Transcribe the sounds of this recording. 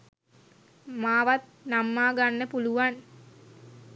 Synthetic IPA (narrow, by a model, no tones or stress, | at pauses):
maːʋat̪̚namːaːɡanːəpuluʋan